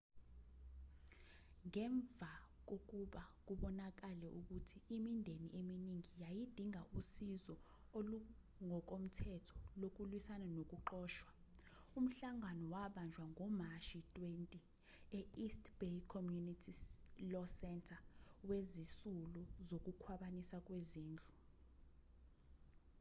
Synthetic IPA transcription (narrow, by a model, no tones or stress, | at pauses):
ŋɛɱb̪vʱak̬ok̬uɓak̬uɓɔnak̬alɛʔuk̬utʰiimindʱenḭʔeminiŋijajid̥ʱiŋaʔusizɔ | o | ŋɔk̬om̩tʰɛtʰɔ̥lok̬ulwisananok̬ʼuǃɔːʃwa | um̩ɬaŋanɔwaɓand͡ʒʱwaŋɔmaʃitʼwentʼi | ɛistʰʼb̥ejkʰɔmjunitʰilɔsɛntʰʼawezisuluzok̬ukʰwaɓanisak̬ʼweziːnd͡ɮʱu